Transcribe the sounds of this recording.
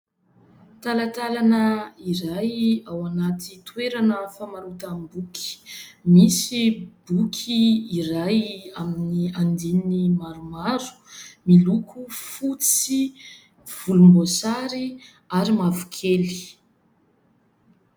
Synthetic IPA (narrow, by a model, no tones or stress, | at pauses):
t̪alat̪alanəiɾajawanat̪it̪weɾanəfamaɾut̪ambuki̥misibukʰiːrajaminiand̪innimaɾumaɾu̥milukʰufut͡si | v̥ulumbosaɾi | aɾimavu̥kʰeli̥